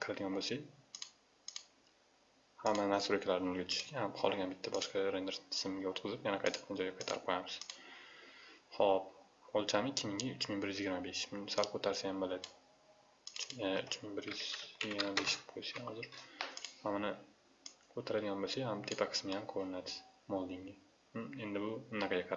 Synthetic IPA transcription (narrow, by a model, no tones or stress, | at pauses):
qʰɨɾad̪ɪɡʲanbosa | hamːannasʊɾokʰʲalaɾɪnɪʊlɡʲat͡ʃ̪ʰʊ̥ʃɡʲhamχɒ̰lˠɪɡʲanbɪt̪ʰːabɒʃqɑɾend̪eɾt̪ʰɪ̥sɪmɪɡʲaot̪qʰɨzɪpjanaqʰɑjt̪ʰːɨ̥q̚t̪and͡ʒɒjɡʲaqʰɑjt̪ʰa̰ɾɪp̚qʰojamɪz̥ | hɒp | olˠt͡ʃʰamɪkʲʰːɪmɪŋɪʊt͡ʃmɪŋbɪɾjyzjɪɡʲɪɾmabe̞ʃmɪsalˠkʰot̪ʰaɾsajambolad̪ | t͡ʃʊt͡ʃmɪŋbɪɾjyz̥jɪɡʲɪɾmabe̞ʃqʰojsahɒzɪɾhamanɪ | kʰot̪ʰaɾad̪ɪɡʲanbosahamt̪ʰe̞pʰaqʰɨ̥smɪjamkʰoɾɪnad̪ɪ̥mɒlˠd̪ɪŋɪ | e̞nd̪ɪbʊnːɑqʰɑɡʲaqʰɑ